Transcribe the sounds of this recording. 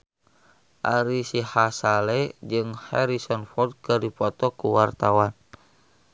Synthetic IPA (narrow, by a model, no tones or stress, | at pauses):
ʔaɾisihasalɛd͡ʒɨŋhɛɾisɔnfɔrd̪̚kɨrdipɔt̪ɔkuwart̪awan